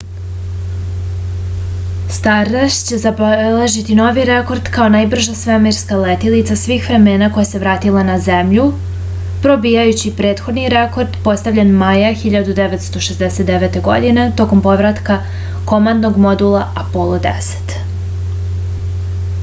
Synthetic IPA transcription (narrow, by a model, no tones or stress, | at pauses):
st̪aɾaʃt͡ɕe̞zableʒit̪ino̞ʋiɾe̞ko̞ɾd̪kao̞najbr̩ʒasʋemeɾskalet̪ilit̪sasʋiːxʋɾe̞me̞ːnako̞jase̞ʋɾaːt̪ilˠanazemʎu | pɾo̞bijajut͡ɕipɾe̞ːt̪xo̞d̪niɾeko̞ɾd̪po̞st̪avʎenmajaxiʎad̪ud̪eʋet̪st̪o̞ʃezd̪eset̪d̪eʋe̞t̪e̞ɡo̞̰d̪ine̞t̪o̞ko̞mpo̞ʋɾat̪ka | ko̞mand̪noɡmo̞d̪ulˠaapolˠod̪ḛse̥t̪